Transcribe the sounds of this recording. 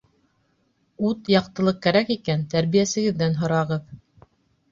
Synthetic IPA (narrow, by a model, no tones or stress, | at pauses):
ut̪jɑqt̪ɤ̆lˠɤq̚kːæɾækikænt̪æɾβijæsɘ̆ɡɘ̆ðːænɦŏɾɑʁɤð